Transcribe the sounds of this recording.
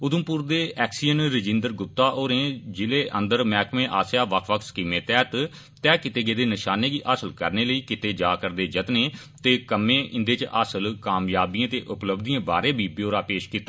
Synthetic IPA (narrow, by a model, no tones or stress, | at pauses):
ʊd̪əmpuːɾd̪eːɛːksiːənɾɪd͡ʒɪnd̪əɾɡʊp̚t̪aːʔoːɾẽːd͡ʒɪleːʔə̃nd̪əɾmɛːkʰmẽːʔaːsjaːʋəkʰʋək̪ʰskiːmẽːt̪ɛːt̪ | t̪ɛːkɪt̪eːɡeːd̪eːnɪʃaːneːɡiːʔasəlkəɾneːləiːkɪt̪eːd͡ʒaːkəɾd̪eːd͡ʒət̪neː | t̪eːkəmẽːʔɪ̰̃nd̪eːt͡ʃʔa̰səlkaːmjaːbiãːt̪eːʔʊpləbd̪ijãːba̰ːɾẽːbʱiːbjoːɾaːpeːʃkiːt̪ːa